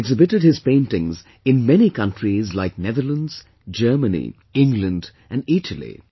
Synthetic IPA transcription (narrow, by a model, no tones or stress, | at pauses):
ɡzɪbɨtɨd̚hɨz̥pẽɪ̃ntɪ̃ŋz | ɨ̃nmɛnikʰʌ̃ntɹ̥izlaɪk̚nɛðə˞lə̃ndz̥ | d͡ʒɜ˞mənḭ | ɪ̃ŋɡlə̃nd | ʔɨ̃nitʰəlˠḭ